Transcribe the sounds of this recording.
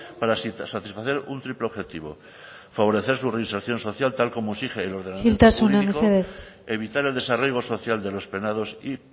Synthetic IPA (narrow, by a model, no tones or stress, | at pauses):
paɾasat̪isfaθe̞ɾunt̪ɾipleo̞βxe̞t̪iβ̞o̞ | faβo̞ɾe̞θe̞ɾsureinseɾθjo̞nso̞θjalt̪alko̞moesixeːlo̞ɾðenailt̪asunnamekeðese̞βit̪aɾe̞ld̪e̞sarejɣ̞o̞so̞θjald̪e̞lo̞spe̞nað̞o̞si